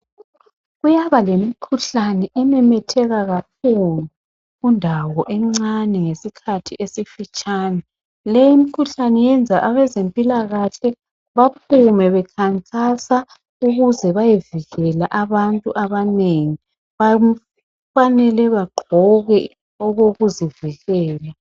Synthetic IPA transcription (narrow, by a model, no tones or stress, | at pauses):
ɣujaβalemikʰuɬanɛʔɛnɛmɛtʰɛɣaɣak̚ʰulu | undʱawɔʔɛŋ͡ǀanɛŋesikʰatʰiʔesifit͡ʃʼaːna | lɛjimikʰuɬanɛjɛnd͡zʱaʔaβɛzempʼilaɣaɬɛ | βap̚ʰumɛβɛkʰaŋkʼasa | uɣuzɛβajeviɣɛlaʔaβantʼuʔaβaneŋi | βam | fanɛlɛβaɡ͡ǃʱɔɣɛ | ɔɣoɣuziviɣɛːla